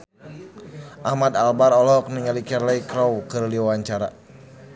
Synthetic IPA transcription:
ʔahmad̪albaɾɔlɔk̚niŋalikɛrlaikɾɔwkɨrliwawaɲt͡ʃaɾa̰

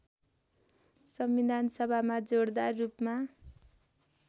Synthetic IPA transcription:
sʌmbid̪ʱansʌbʱamad͡zoɽd̪arupma

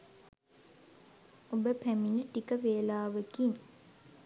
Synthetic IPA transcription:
obəpæminəʈikəʋeːəlaːʋəɡiŋ

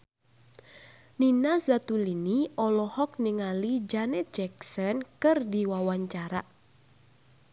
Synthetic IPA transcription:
ninasat̪uliniɔlɔhɔk̚niŋalid͡ʒanɛt̪̚d͡ʒɛksɔnkɨrdiwawaɲt͡ʃaɾa

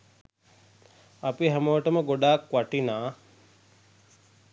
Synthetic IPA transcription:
apiɦæməʋəʈəməɡoɖaːkʋaʈinaː

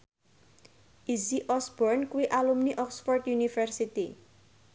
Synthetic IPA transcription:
ʔisiʔɔsb̥ɔrnkuiʔalumniʔɔksfɔrt̪junifərsit̪i

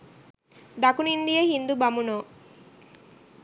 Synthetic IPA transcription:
d̪akunind̪ijəhind̪ubamuno

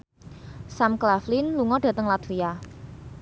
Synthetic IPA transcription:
samklaflɪnluŋɔɖ̥ä̤t̪əŋlat̪fia

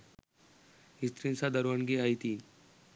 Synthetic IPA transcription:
ɦist̪ɾinsad̪əɾʋəɳɡiajt̪i

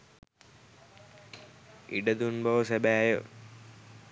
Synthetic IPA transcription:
iɖəd̪unbɐʋəsebæːjə̰

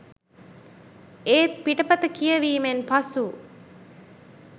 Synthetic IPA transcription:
eːt̪̚piʈəpɐt̪əkijəʋiːmenpasu

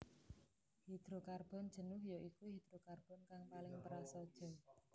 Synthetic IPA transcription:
hid̪̥ɾokarb̥ɔ̤nd̥ʒ̥ə̤nʊɦjɔʔikuɦid̪̥ɾokarb̥ɔ̤nkaŋpalɪŋpəɾasɔd̥ʒ̥ɔ̤

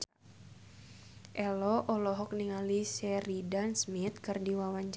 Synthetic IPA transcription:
ʔɛlɔʔɔlɔɦɔk̚niŋalisɛridansmit̪̚kɨrdiwawaɲd͡ʒ

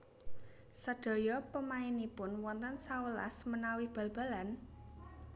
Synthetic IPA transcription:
səɖ̥ɔ̤jɔpəmaɪnipʊnwɔnt̪ənsawəla̰smənawɪhb̥a̤lb̥a̤lan

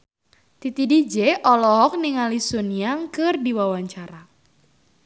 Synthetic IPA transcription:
t̪it̪idid͡ʒeʔɔlɔɦɔk̚niŋalisuniaŋkɨrdiwawaɲt͡ʃaɾa

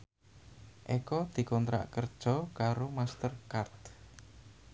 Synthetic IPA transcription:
ʔekɔd̪̥i̤kɔnt̪ɾa̰ʔkərd̥ʒ̥ɔ̤kaɾomast̪ərkart̪

